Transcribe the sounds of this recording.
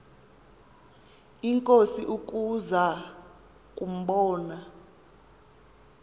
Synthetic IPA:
iŋkʼosiʔukʼuza | kʼum̩ɓɔːna

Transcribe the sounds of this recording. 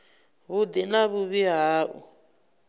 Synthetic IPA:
βud̪inaβuβiɦaːʔṵ

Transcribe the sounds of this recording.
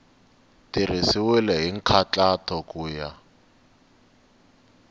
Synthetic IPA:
tirisɪwɛlɛɦiŋ̩kʰat͡ɬatʰɔkʼuːja

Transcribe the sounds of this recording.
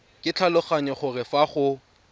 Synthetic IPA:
kʼɪt͡ɬʰalʊχaɲɔχʊrɪfaχʊ

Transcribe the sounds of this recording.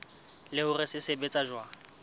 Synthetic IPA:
lɪʊrɪsɪsebet͡sʼaʒwa

